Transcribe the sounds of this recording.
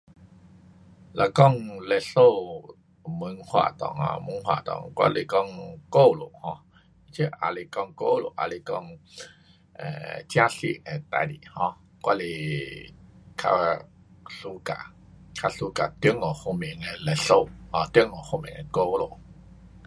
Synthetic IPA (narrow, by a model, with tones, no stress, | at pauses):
la˨kɔ˥˧˨ŋlɛ˧ɬo˦˧˨ | mɨ˧˦ŋhwa̰˧˨t̪ɔ̰˨ŋã̰˧˨mu˧˦ŋhwa̰˨t̪ɔ̰˨˩ŋkwa̰˧li˧kɔ˦˧˨ŋko˦˧˨lo̰˨hɔ̃˧ | i˦t͡ɕʰe˦ʔa̰˧li˧kɔ˧˩ŋko˦lo̰˨ʔa̰˧li˧kɔ˦˧˨ŋ | ɛ̰̃˨t͡ɕja˦ɬḭ˧ʔɛ̃˨t̪a̰˧˨lḭ˨hɔ̃˧ | kwa˦˧li˧ | kʰa̰˧ | ɬu˧ka̰˨ | kʰa˧ɬu˧ka˨t̪ju˦ŋɔ˨ho˧mĩ˨ŋɛ˧lɛ˧ɬo˦˧˨hɔ̃˨˧t̪jŋɔ˨ho˧mḭ̃˨ŋɛ̃˧ko˦lo̰˨